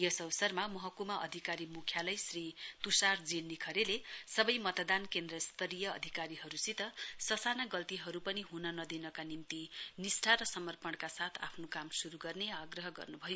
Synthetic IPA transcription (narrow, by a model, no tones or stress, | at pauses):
jʌsʌwsʌrmamʌɦʌkumaʔʌ̰d̪ʱikaɾimukʰjalʌjsrit̪usard͡zinːikʰʌɾelesʌbʌjmʌt̪d̪ankend̪rʌst̪ʰʌɾijʌ̰ːd̪ʱikaɾiɦʌɾusit̪ʌsʌsanaɡʌlt̪iɦʌɾupʌniɦunʌnʌd̪inʌkanimt̪inisʈʰaɾʌsʌmʌrpʌɳkasat̪ʰa̰pʰnokamsuɾuɡʌrneaɡrʌɦʌɡʌ̰rnubʱʌjo